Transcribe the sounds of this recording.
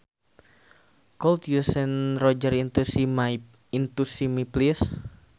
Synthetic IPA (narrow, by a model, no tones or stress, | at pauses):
kɔlt̪jusɛnrɔd͡ʒərint̪usimai | int̪usimiplis